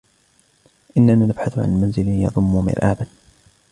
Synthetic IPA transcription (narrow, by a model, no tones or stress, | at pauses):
ʔɪnːanaːnabħaθʊʕa̰nmanzɪljɑ̰ðˤʊmːʊmɪ̰ɾʔa̰ːban